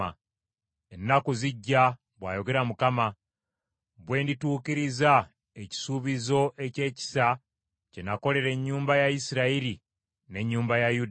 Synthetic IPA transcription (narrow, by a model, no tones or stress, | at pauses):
a | e̞nːakuziɟːa | βwaːjo̞ɡe̞ɾamukama | βwe̞ːndituːkiɾiza | eci̥suːβizo̞ʔe̞ce̞ːci̥sa | cenako̞le̞ɾe̞ɲːuːmbajaisiɾaiɾi | ne̞ɲːuːmbajajud